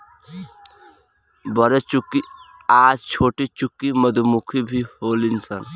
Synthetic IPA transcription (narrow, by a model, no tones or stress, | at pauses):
bɐɾet͡ʃukːi | aːd͡ʒt͡ʃʰoːʈit͡ʃukːimɐd̪umukʰibʱihoːlinsɐn